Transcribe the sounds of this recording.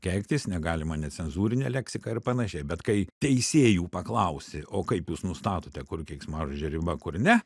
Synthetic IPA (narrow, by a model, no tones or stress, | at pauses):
kʲɛːkʲt̪ʲɪsnʲɛɡɑːlʲɪmɐnʲɛt͡sʲsʲɛnzuːɾʲɪnʲɛlʲɛksʲɪkɑɪrpɐnɐʃʲɛɪbʲɛt̪kɐɪt̪ʲɛɪsʲeːjuːpɐklˠɐʊsʲɪʔoːkɐɪpjuːsnʊst̪ɑːt̪oːt̪ʲɛkʊrkʲeːksmɑːʒoʒʲɛɾʲɪbɐkʊrnʲɛ